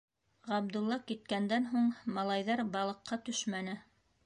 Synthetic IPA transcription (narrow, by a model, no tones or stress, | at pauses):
ʁɑb̚d̪ulˠːɑkit̪̚kænd̪ænɦuɴmɑlˠɑjðɑɾbɑlˠɤ̆qːɑt̪ɵʃmænɘ